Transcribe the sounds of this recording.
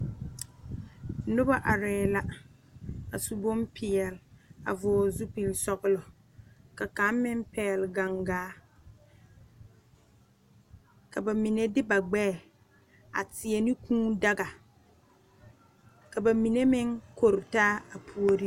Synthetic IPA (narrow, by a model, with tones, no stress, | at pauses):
nʊ˦ba˦ʔa˨ɾɛː˨˦˨la˨ | a˨su˨bo˦mpʰɪ˨ɛ˨la̰˨vʊ˨zu˦pi˨lsɔ˦ɣʊ˦lɔ˨ | ka˨ka˨˦m˦mɪ˦mpɛ˨lɡa˨ŋɡaː˦ | ka˨ba˨mi˨ne˦dɪ˦ba˨ɡ͡bɛː˦˨ | a̰˨tɪ˨ɛ˨nɪ˦kʰũː˦da˦ɡa˨ | ka˨ba˨mi˨ne˦mɪ˦ŋko˨ɾɪ˨taː˦a˨pʰu˨o˦ɾi˦